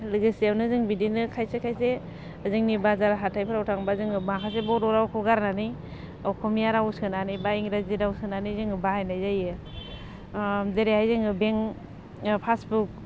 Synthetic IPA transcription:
lɯɡɯsawnɯzɯŋbidinɯkʰajsekʰajse | ɯzɯŋnibazaɾaɦatʰajpʰɯɾawtʰaŋbazɯŋɯmakʰas̬ebɔɾɔɾawkʰɔɡaɾnani | ɔkʰɔmijaɾawsɯnanibaiŋɾaziɾawsɯnanizɯŋɯbahajnajzajɯ | zeɾehajzɯŋɯbeŋ | pʰasbuk̚

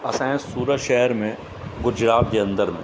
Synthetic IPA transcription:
ɐsɛ̃ːsuːɾəʃɛɦəɾmẽ | ɡʊd͡ʒɾaːt̪̚ɡeɐ̃nd̪əɾmḛ̃

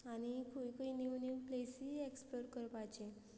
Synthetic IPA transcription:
añikʰukəiniwniplesiekspoɾʈkəɾpat͡ɕe

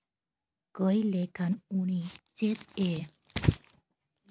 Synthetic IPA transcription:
kəjlekʰanuɽ̃it͡set̪e

